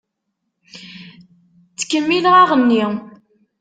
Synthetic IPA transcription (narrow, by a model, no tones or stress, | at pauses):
t͡sːə̥kːəmːiləʁɑʁənːi